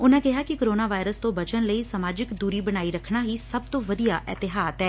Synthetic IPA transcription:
ʊnãːkɪɦaːkɪkoɾoːnaːʋaːɪɾəst̪õːbət͡ʃənləiːsamaːd͡ʒɪkd̪uːɾiːbəñaːiːɾəkʰnaːɦiːsəb̚t̪õːʋəd̪ijaːʔɛ̰t̪ɪɦaːt̪ɦɛː

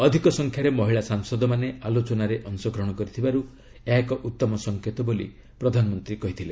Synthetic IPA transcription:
ɔd̪ʱikɔsɔŋkʰjaɾemɔɦiɭasaŋsɔd̪ɔmanealot͡ʃɔnaɾeʔɔnsɔɡɾɔɦɽ̃ɔkɔɾit̪ʰibaɾu | ekɔʔut̪ːɔmɔsɔŋkʰet̪ɔbolḭ | pɾɔd̪ʱanɔmɔnt̪ɾikɔɦit̪ʰile

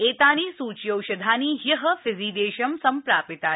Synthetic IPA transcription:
eːt̪aːñiːsuːt͡ʃjɐwʃɐd̪ʱaːniːɦjɐɦɐfɪziːd̪eːʃɐmsɐmpɾaːpɪt̪aː

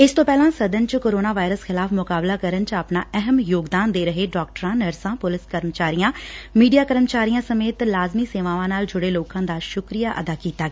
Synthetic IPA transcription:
ɪst̪õːpɛːlãːsəd̪ənt͡ʃkoːɾoːnaːʋaːɪɾəsxʰɪlaːfʰmʊkaːblaːkəɾənt͡ʃapnaːɛɦəmjoːɡd̪aːnd̪eːɾəɦeːɖɔːk̚ʈəɾãːnəɾsãːpʊlɪskəɾmt͡ʃaːɾijãːmiːɖijaːkəɾmt͡ʃaːɾijãːsəmeːt̪laːzmiːseːʋaːʋãːnaːld͡ʒʊɽeːloːkãːd̪aːʃʊkɾijaːʔəd̪aːkiːt̪aːɡː

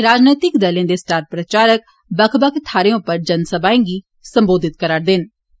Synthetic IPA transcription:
ɾaːd͡ʒniːt̪ɪkd̪əlẽːd̪esʈaːɾpɾət͡ʃaːɾək̚ | bəkʰbəkʰt̪ʰaːɾeõpəɾd͡ʒənsəbaːẽːŋɡiː | sə̃mboːd̪ɪt̪kəɾaːɽd̪ɪn

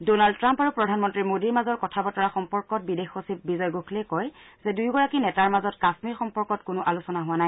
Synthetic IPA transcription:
donald̚tɹampaɹupɹɔdʱanmɔntɹimodiɹmazɔɹkɔtʰabɔtɔɹaxɔmpɔɹkɔt̚bidexosip̚bizɔjɡokʰlejkɔjzɛdujɡɔɹakinɛtaɹmazɔtkasmiɹxɔmpɔɹkɔtkʊnʊʔalusɔnaɦʊwanaj

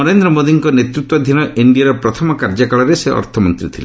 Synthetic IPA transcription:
ɔɾend̪ɾɔmod̪iŋkɔnet̪ɾut̪ːwɔd̪ʱinɔʔiɳɖiaɾɔpɾɔt̪ʰɔmɔkaɾd͡ʒakaɭɔɾeseʔɔ̰ɾt̪ʰɔmɔnt̪ɾit̪ʰile

